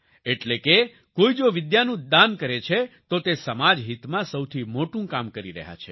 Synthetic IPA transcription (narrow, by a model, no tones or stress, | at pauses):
eʈleke | koid͡ʒoʋɪd̪janũd̪ankəɾet͡ʃʰet̪ot̪esəmad͡ʒɦit̪mãsəwt̪ʰimoʈũkamkəɾiɾə̰ɦja̰t͡ʃʰe